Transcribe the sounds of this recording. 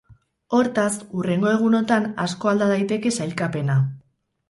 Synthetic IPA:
o̞ɾt̪asure̞ŋɡo̞e̞ɣ̞uno̞t̪anasko̞ald̪að̞ajt̪e̞ke̞sajlkape̞na

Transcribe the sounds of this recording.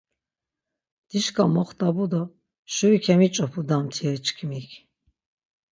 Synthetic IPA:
d̪̥iʃkʰʼamɔχt̪ʼabud̪ɔ | ʃuɾikʰɛmit͡ʃʼɔpʰud̪amt̪ʰiɛɾt͡ʃʰkʰmikʰ

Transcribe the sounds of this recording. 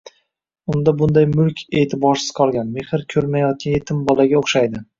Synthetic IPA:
ʊnd̪abʊnd̪ajmʊlkʲʰe̞ːt̪ʰɪbɒɾsɪ̥z̥qʰɒlˠɡʲanme̞hɪɾkʲʰɵɾmajɒt̪̚kʲʰanje̞t̪ʰɪmbɒlaɡʲaoχʃajd̪ɪ

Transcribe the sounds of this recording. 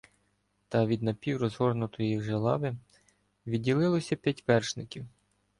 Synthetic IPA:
t̪ɐʋʲid̪nɐpʲiwɾɔzɦɔrnʊt̪ɔjjixʒelˠɑ̰ʋɪ | ʋʲiːilˠɪlˠɔsʲɐpʲjɐtʲʋɛrʃnɪkʲiw

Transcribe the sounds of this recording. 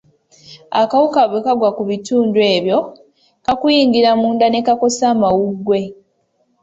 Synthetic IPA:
a̰kawukaβwe̞kaɡwakuβituːndue̞ːβjo̞ | kakujiːŋɡiɾamuːndane̞kako̞saːmawuɡwe̞

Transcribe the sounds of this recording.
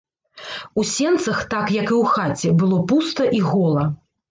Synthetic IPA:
usʲɛnt̪sɐxt̪akjɐkɨwxat͡sʲɛbɨlˠɔpust̪ɐʔiɣɔlˠɐ

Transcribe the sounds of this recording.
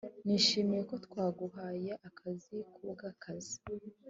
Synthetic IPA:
niʃimijeko̞tkwaːɡuhaːjaʔakʰazikʰubɡakazi̥

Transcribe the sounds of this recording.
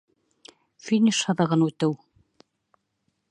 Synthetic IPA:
fʲinʲiʃɑðɤ̆ʁɤnʉt̪ɘw

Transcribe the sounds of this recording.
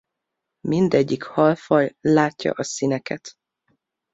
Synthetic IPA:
mind̪ɛɟːikhɒlfɒjlaːcːɒ̰ʔɒsinɛkɛt̪

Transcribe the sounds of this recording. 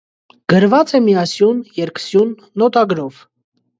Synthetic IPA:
ɡ̥əɾvɑt͡sɛmiɑsjunjɛɾkʰsjunːɔt̪ɑɡɾɔv

